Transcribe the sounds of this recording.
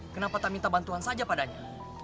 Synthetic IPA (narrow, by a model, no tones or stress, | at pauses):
kənapat̪aʔmint̪abant̪uansad͡ʒapadaɲa